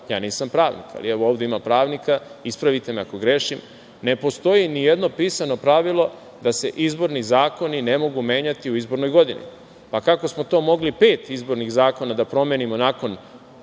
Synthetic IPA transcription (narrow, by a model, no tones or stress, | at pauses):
jaːniːsampɾaːʋnḭka̰lḭɛʋooːʋd̪e̞imampɾaːʋnikaispɾaʋit̪e̞meako̞ɡɾe̞ːʃim | ne̞po̞st̪o̞jinijed̪no̞piːsano̞pɾaʋilˠo̞ | d̪ase̞ʔizbo̞ɾnizaːko̞nine̞mo̞ɡume̞ːɲat̪iuizbo̞ɾno̞jɡo̞d̪inḭ | pakako̞smo̞t̪o̞ːmo̞ɡlipe̞ːt̪izbo̞ɾniɣzaːko̞nad̪apɾo̞mjenimo̞naːko̞n